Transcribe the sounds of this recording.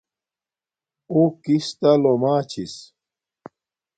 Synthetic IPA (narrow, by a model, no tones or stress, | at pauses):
ukist̪alomaːt͡ɕʰis